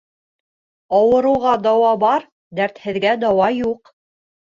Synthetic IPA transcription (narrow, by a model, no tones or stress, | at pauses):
ɑwɤ̆ɾɤ̆wʁɑd̪ɑwɑbɑɾ | d̪æɾt̪hɘ̆ðɡæd̪ɑwɑjuq